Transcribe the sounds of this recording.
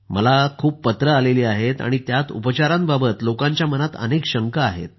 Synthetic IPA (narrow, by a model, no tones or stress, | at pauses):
məlakʰuːppət̪ɾəaleliːaɦet̪a̰ɽ̃it̪jat̪ṵpət͡ɕaɾãmbabət̪lokãɲt͡ɕjamənat̪ə̰nekɕəŋkaaɦḛt̪̚